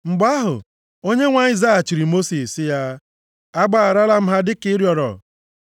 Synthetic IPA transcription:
ŋ͡m̩˨ɡ͡ba˦ɦʊ̰˨ | o˦ɲe˦ŋʷa˦ɪ˦za˦a˨t͡ʃi˨ɾi˨mo˦si˨sɪ˦ja˦ | a˦ɡ͡ba˦˨a˨ɾa˦la˦m̩˦ɦa˦dɪ˦kɪ˦ɾjɔ˨ɾɔ̰˨

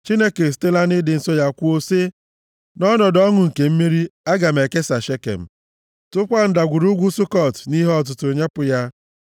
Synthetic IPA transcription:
t͡ʃi˦ne˦ke˨s̬te˦la˦nɪ˦dɪ˨n̩˨sɔ˦ja˦kʷu˦o˦se˦ | nɔ˦nɔ˨dɔ˦ŋʊ˨ŋ̩˨ke˨m̩˦mi˦ɾi˦a˦ɡa˨m̩e˨ke˦sa˨ʃe˦kḛ˨m̩˨ | tʊ˦kʷa˦n̩˦da˨ɡʷu˨ɾu˦ɡʷu˦sʊ˦kɔ˦˨tni˦ɦɔ˦t̬ʊ˨tʊ˨ɲe˦pʊ˨ja˦

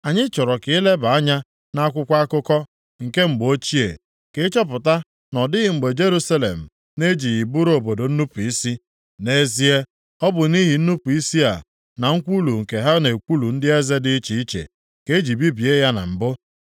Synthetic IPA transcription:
a˨ɲɪ˦t͡ʃɔ˨ɾɔ˨kɪ˦le˦ba˨a˦ɲa˦ | na˦a˦kʷʊ˦kʷa˦a˦kʊ˦kɔ˦ | ŋ̩˨ke˦ŋ͡m̩˨ɡ͡bo˦t͡ʃi˦ḛ˨ | ke˦t͡ʃɔ˦p̬ʊ˨ta˦ | nɔ˨dɪ˦ɣɪ˨ŋ͡m̩˨ɡ͡be˨d͡ʒe˦ɾu˦sa˦lḛ˨m̩˨ | ne˦d͡ʒi˨ji˨bu˦ɾo˨bo˨do˨n̩˦nu˦pu˨i˦si˦ | ne˦zi˦e˦ | ɔ˦bʊ˨ni˦ɦi˨n̩˦nu˦pu˨i˦si˦a̰˨ | na˨ŋ̩˦kʷu˦lu˨ŋ̩˨ke˨ɦa˦ne˨kʷu˦lu˨n̩˦dɪ˦e˦ze˦dɪ˦t͡ʃi˨i˦t͡ʃḛ˨ | ke˦e˦d͡ʒi˨bi˦bi˨e˦ja˦na̰˨m̩˨bʊ˦

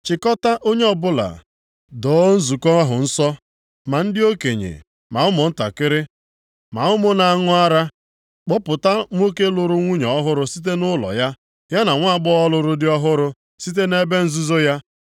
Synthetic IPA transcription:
t͡ʃɪ˨kɔ˦ta˦ʔo˦ɲe˦ɔ˨bʊ˦la̰˨ | dɔ˨˦n̩˦zu˨kɔ˦a˦ɦʊ̰˨n̩˦sɔ˦ | ma˨n̩˦dɪ˦o˦kḛ˨ɲḛ˨ | ma˨ʊ˦mʊ˨n̩˦ta̰˨kɪ˦ɾɪ˦ | ma̰˨ʊ˦mʊ˦na˨ŋʊ˦a˦ɾa˦ | k͡pʊ˦pʊ˨ta˦ŋʷ˦o˦ke˦lʊ˨ɾʊ˦ŋʷu˦ɲɔ˨ɔ˦ɦʊ˦ɾʊ˦si˦t̬e˦nʊ˦lɔ̰˨ja˦ | ja˦na˨ŋʷa˦˨ɡ͡bɔ˦ɔ˦lʊ˨ɾʊ˦dɪ˦ɔ˦ɦʊ˦ɾʊ˦ | si˦t̬e˦ne˦be˦n̩˦zu˦zo˦ja˦

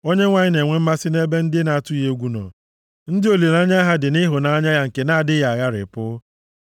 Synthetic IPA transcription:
o˦ɲe˦ŋʷa˨ɲɪ˦ne˨ŋʷe˦m̩˦ma˦sɪ˦ne˦be˦n̩˦dɪ˦e˦na˨a˦˨tʊ˦i˦je˦ɡʷu˦nɔ̰˨ | n̩˦dɪ˦o˨le˨na˦ɲa˦ɦa˦dɪ˨nɪ˦ɦʊ˨na˨˦ɲa˦ja˦ŋ̩˨ke˨na˦a˨dɪ˦ja˨a˨ɣa˦ɾɪ̰˨pʊ˦

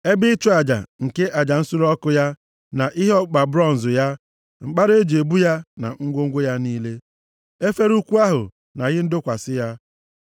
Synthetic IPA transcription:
e˦bɪ˦t͡ʃu˦a˨d͡ʒa̰˨ŋ̩˨ke˦ʔa˨d͡ʒa˨n̩˦sʊ˦ɾɔ˦kʊ˦ja˦ | na˨ʔɪ˦ɦɔ˦k͡pa˨bɾɔ˦n̩˨zʊ˨ja˦ | ŋ͡m̩˨k͡pa˦ɾe˦d͡ʒe˨bu˦ja˦na̰˨ŋ̩˦ɡʷo˦ŋ̩˦ɡʷe˦ja˦niː˦le˦ | e˦fe˦ɾu˦kʷu˦a˦ɦʊ̰˨ | na˨ɣɪ˦n̩˦dʊ˦kʷa˨sɪ˦ja˦

